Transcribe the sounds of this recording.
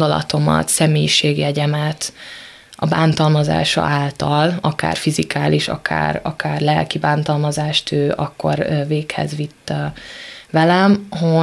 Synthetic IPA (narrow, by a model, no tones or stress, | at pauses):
d̪ɒlɒ̰t̪o̞mɒ̰t̪sɛmeːjiʃeːɡɛɟɛmɛt̪ | ʔɒbaːnt̪ɒlmɒza̰ːʃɒ̰ʔaːlt̪ɒlɒka̰ːrfizikaːliʃɒ̰kʰa̰ːrɒkaːrlɛlkibaːnt̪ɒlmɒzaːʃt̪ʰøːʔɒkːo̞̰rveːkhɛ̰zʋit̪ːɒ | ʋɛlɛmɦo